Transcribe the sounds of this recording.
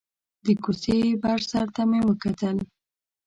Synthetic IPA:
d̪əkusebaʐsaɾt̪amewəkat̪əl

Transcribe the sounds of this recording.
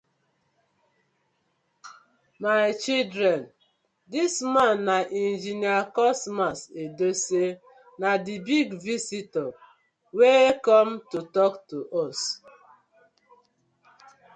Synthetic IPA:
maɪt͡ʃildɾɛn | dismanːaʔind͡ʒiniakɔsmasedose | nadibiɡvisitɔ | wekɔmtutɔktuʔɔs

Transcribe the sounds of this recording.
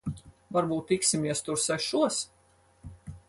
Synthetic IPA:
vaɾbuːt̪ːiksʲimiɛst̪uɾsɛʃuɔs

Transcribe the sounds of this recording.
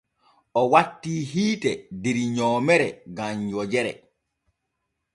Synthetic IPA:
ʔɔwatːiːɦiːtɛdiɾɲɔːmɛɾɛɡamjɔd͡ʒɛɾɛ̰

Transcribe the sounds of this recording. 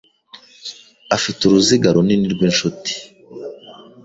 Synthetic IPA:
afituɾuziɡaɾoniniɾɡwiːnʃuti̥

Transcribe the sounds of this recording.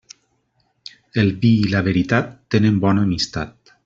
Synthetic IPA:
elβiːlaβ̞eɾit̪at̪ːenembɔnaːmist̪at̪̚

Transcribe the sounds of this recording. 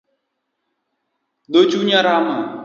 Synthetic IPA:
d̪oːt͡ʃuːɲãːɾaːma

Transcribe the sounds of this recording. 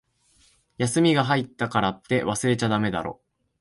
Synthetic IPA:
jasɨmʲiɡaɦait̪ːakaɾat̪ːe̞βasɨɾe̞t͡ɕad̪ame̞d̪a̰ɾo̞̰

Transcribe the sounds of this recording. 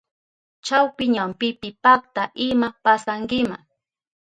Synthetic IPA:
t͡ʃawpɪɲampɪpɪpak̚t̪aʔɪmapasaŋɡɪmaŋ

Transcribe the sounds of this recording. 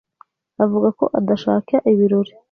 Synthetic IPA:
avuɡako̞̰ʔadaʃaːkaʔiβiɾo̞ɾi

